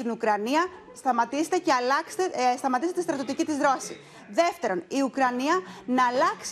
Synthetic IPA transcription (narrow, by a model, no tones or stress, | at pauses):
inukɾɐniɐ | st̪ɐmɐt̪iset̪ece̞ɐlɐkse̥t̪est̪ɐmɐt̪iset̪est̪ɾɐt̪jot̪icit̪izðɾo̞si | ðe̞ft̪e̞ɾo̞niukɾɐniɐnɐːlɐks